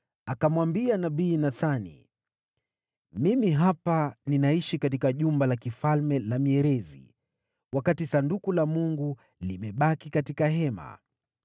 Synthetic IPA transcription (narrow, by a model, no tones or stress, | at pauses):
akamwambianaɓiːnaθanḭ | mimiɦapaninaiʃikatikaʄumbalakifalmɛlamiɛɾɛzḭ | wakatisandukulamuŋɡu | limɛɓakikatikaɦɛma̰